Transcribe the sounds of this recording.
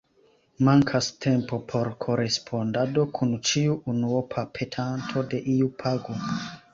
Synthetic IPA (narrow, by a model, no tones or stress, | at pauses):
maŋkʰastʰe̞mpo̞pʰo̞ɾkʰo̞ɾe̞spʰo̞ndado̞kʰunt͡ʃiuunuopʰapʰe̞tʰantʰo̞de̞ʔiupʰaɡo